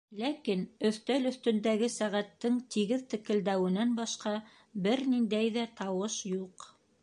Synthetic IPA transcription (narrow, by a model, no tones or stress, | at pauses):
lækinɵ̆θt̪ælɵ̆θt̪ɵ̆nd̪æɡɘsæʁæt̪ːɘŋt̪iɡɘðt̪ɘ̆kɘ̆ld̪æwɘ̆nænbɑʃqɑ | bɘɾnind̪æjðæt̪ɑwɤʃjuq